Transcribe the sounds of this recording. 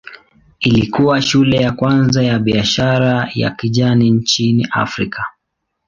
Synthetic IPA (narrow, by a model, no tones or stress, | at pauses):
ilikuwaʃulɛjakwanzajaɓiaʃaɾaja̰kiʄaniɲt͡ʃiniʔa̰fɾikʰa